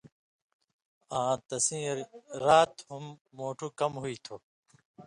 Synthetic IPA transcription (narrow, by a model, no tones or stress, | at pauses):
ãːt̪ɐsĩɾɾaːt̪humːoːʈʰukɐmɦuit̪ʰoː